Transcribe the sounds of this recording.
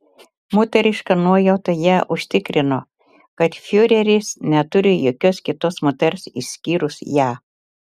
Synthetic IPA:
mʊt̪ʲɛɾʲɪʃkɐnuɔjɛʊt̪ɐjæːʔʊʃʲt̪ʲɪkɾʲɪnoː | kɐt̪fʲuɾʲɛɾʲɪsnʲɛt̪ʊɾʲɪjoːkʲoskʲɪt̪oːsmot̪ʲɛɾsḭsʲkʲiːɾʊsjæː

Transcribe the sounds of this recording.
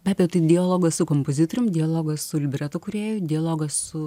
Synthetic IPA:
bʲɑːbʲɛjɛʊt̪ɐɪd̪ʲɪɐlˠoːɡɐssʊkoːmpoːzʲɪt̪oɾʲʊmd̪ʲɪɐlˠoːɡɐssʊlʲɪbʲɾʲɛt̪ʊkʊɾʲeːjʊd̪ʲɪɐlˠoːɡɐssʊ

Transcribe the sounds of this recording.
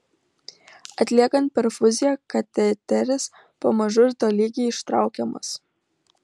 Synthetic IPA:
ɐt̪ʲlʲiɛkɐnt̪̚pʲɛɾfʊzʲɪjɛkɐt̪ʲɛt̪ʲɛɾʲɪs | pɐmɐʒʊʒd̪oːlʲiːɡʲɛɪʃt̪ɾɑˑʊkʲɛmɐ̰s

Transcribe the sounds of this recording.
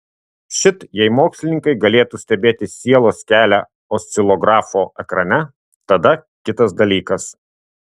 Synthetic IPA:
ʃʲɪt̪jɛɪmoːksʲlʲɪnʲɪŋkɐɪɡɐlʲeːt̪uːsʲt̪ʲɛbʲeːt̪ʲɪsʲiɛlˠoːskʲæːlʲæ | osʲt̪sʲɪlˠɔɡɾɑːfoːɛkɾɐnʲɛ | t̪ɐd̪ɐkʲɪt̪ɐsd̪ɐlʲiːkɐs

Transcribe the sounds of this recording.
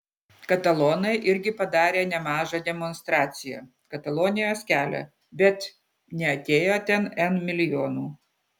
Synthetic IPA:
kɐt̪ɐlˠoːnɐɪʔɪɾʲɡʲɪpɐd̪ɑːɾʲeːnʲɛmɑːʒɐd̪ʲɛmɔnst̪ɾɑːt̪sʲɪjɛ̰ | kɐt̪ɐlˠoːnʲɪjoːskʲæːlʲɛ̰ | bʲɛt̪ | nʲɛɐt̪ʲeːjot̪ʲɛnɛnmʲɪlʲɪjoːnuː

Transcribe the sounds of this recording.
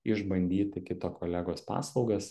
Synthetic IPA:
ɪʒbɐnʲd̪ʲiːt̪ʲɪkʲɪt̪oːkʰoːlʲæːɡoːspɑ̰ːslˠɒʊɡɐs

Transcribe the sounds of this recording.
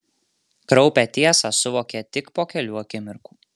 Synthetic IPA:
kɾɒʊpʲɛt̪ʲiɛsɑsʊʋoːkʲɛt̪ʲɪkpoːkʲɛlʲuːɐkʲɪmʲɪɾkuː

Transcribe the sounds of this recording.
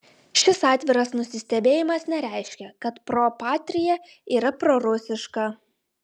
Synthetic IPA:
ʃʲɪsɑːt̪ʲʋʲɪɾɐsnʊsʲɪsʲt̪ʲɛbʲeːjɪmɐsnʲɛɾʲæˑɪʃʲkʲɛkɐt̪pɾopɑːt̪ʲɾʲɪjɛ | iːɾɐpɾoɾʊsʲɪʃkɐ

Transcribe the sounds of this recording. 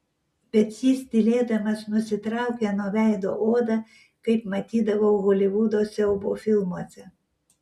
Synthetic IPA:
bʲɛt̪jiːsd̪ʲɪlʲeːd̪ɐmɐsnʊsʲɪt̪ɾɑˑʊkʲɛnoʋʲæjd̪oʔoːd̪ɐ | kɐɪpmɐt̪ʲiːd̪ɐʋoɣɔlʲɪʋud̪osʲɛɔbofʲɪlˠmuɔsʲɛ

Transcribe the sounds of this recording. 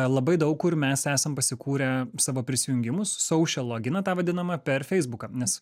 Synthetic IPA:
lˠɐbɐɪd̪ɐʊkkʊɾmʲɛsæːsɐmpɐsʲɪkuːɾʲɛsɑːʋoːpʲɾʲɪsʲɪjʊŋʲɡʲɪmʊsːɐʊʃʲɛlˠoːɡʲɪnɐt̪ɑːʋɐd̪ʲɪnɐmɐpʲɛɾfʲɛɪzbʊkɐːnʲɛs

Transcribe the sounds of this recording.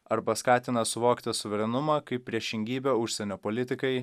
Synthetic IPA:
ɐɾbɐskɑːt̪ʲɪnɐsʊʋoːkt̪ʲɪsʊʋʲɛɾʲɛnʊmɑːkɐɪp̚ːʲɾʲiɛʃʲɪŋʲɡʲiːbʲoːʊʃʲsʲɛnʲoːpoːlʲɪt̪ʲɪkɐɪ

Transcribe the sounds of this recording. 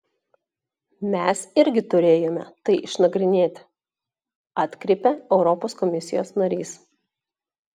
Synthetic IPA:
mʲɛˑsɪɾʲɡʲɪt̪ʊɾʲeːjoːmʲɛ̰t̪ɐɪʔɪʃnɐɡɾʲɪnʲeːt̪ʲ | ɑːt̪ʲkɾʲɛɪpʲɛɛʊɾɔpoːskɔmʲɪsʲɪjoːsnɐɾʲiːs

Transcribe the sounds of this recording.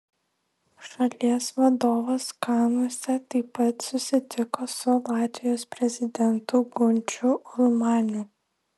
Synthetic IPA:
ʃɐlʲiɛsʋɐd̪oːʋoːskɑɪnoɔsʲɛt̪ɐɪpɐt̪sʊsʲɪt̪ʲɪkoːsʊlˠɑːt̪ʲʋʲɪjoːspʲɾʲɛzʲɪd̪ʲɛnt̪ʊɡʊnʲt͡ʃʲʊʊlˠmɑːnʲu

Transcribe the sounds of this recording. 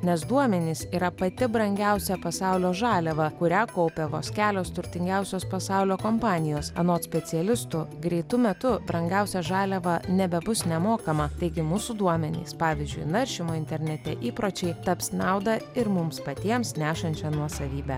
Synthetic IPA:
nʲɛsd̪uɔmʲɛnʲiːsiːɾɐpɐt̪ʲɪbɾɐŋʲɡʲæˑʊsʲɛpɐsɑʊlʲoːʒɑːlʲɛʋɐkʊɾʲæːkɔʊpʲɛʋoːsʲkʲæːlʲoːst̪ʊɾʲt̪ʲɪŋʲɡʲæˑʊsʲoːspɐsɑˑʊlʲoːkompɑːnʲɪjoːsɐnoːt̪sʲpʲɛt̪sʲɪɛlʲɪst̪ʊɡɾʲɛɪt̪ʊmʲɛt̪ʊbɾɐŋʲɡʲæˑʊsʲɛʒɑːlʲɛʋɐnʲɛbʲɛbʊsnʲɛmoːkɐmɐt̪ɐɪɡʲɪmuːsʊd̪uɔmʲɛnʲḭːspɑːʋʲɪzʲd͡ʒʲʊ̰ɪnɐɾʲʃʲɪmoːɪnʲt̪ʲɛɾʲnʲɛt̪ʲɛʔiːpɾoːt͡ʃʲɛɪt̪ɐpsʲnɑˑʊd̪ɐɪɾmʊmspɐt̪ʲiɛmsnʲæːʃɐnʲt͡ʃʲɛnuɔsɐʋʲiːbʲæ

